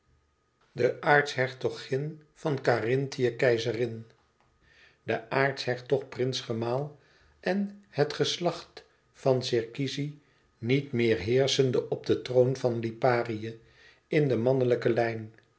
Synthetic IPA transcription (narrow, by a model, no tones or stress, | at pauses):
dəʔaːɹtsɦɛɹtɔχɪnv̥ɑnkarɪntijəkɛjzərɪn | dəʔaːɹtsɦɛɹtɔχprɪnsχəmaːlˠ | ʔɛnhətχəslɑχt | fɑnsɪɹkizi | nitmɪːɹɦɪːɹsəndəʔɔb̚dətrownvɑnlipaːrijə | ɪndəmɑnələkəlɛjn